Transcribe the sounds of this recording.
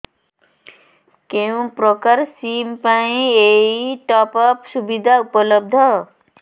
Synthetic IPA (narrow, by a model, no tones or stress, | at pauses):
keũpɾɔkaɾsimpaĩeiʈɔpʌpsubid̪ʱaupɔlʌb̚d̪ʱʌ